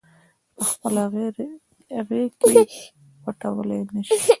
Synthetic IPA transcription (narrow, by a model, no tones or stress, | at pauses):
pəxpəlɣ | ɣeke | waʈawəlenaʃi